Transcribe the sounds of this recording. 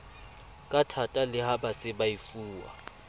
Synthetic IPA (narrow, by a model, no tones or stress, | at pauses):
kʼatʰatʼalɪhabasɪbaifuːwa̰